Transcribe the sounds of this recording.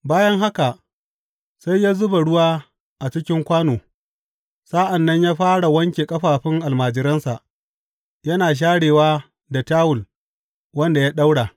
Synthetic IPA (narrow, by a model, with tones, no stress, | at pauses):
baː˦jɐ˦ŋɦa˦ka˨ʔ | sa˦jːaː˦zʊ˦ba˨ɽʊ˦waː˦ | ʔa˨t͡ʃɪ˦kʲɪ˦ŋkʷaː˦noː˨ | sa˦ʔa˨nːɐ˦ɲjaː˦ɸaː˦ɽa˨wɐ˦ŋkʲeː˨kʼɐ˦ɸaː˨ɸɪ˦ŋʔa˨lmaː˨d͡ʒɪ˦ɾɐ˦nsa˨ʔ | jɐ˦naː˨ʃ̬aː˦ɽeː˨waː˦ | da˨taː˦wʊ˨l | wɐ˦nda˨ja˦ɗa˦wɽa˨